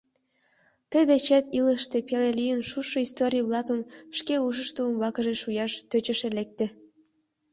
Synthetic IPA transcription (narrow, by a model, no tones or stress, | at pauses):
t̪əjd̪et͡ɕet̪iləʃt̪epelelijənʃuʃoist̪oɾʲijəβlɑkəmʃkeuʃ̬əʃt̪uəmbɑkəʒeʃujɑʃt̪øt͡ɕəʃelek̚t̪e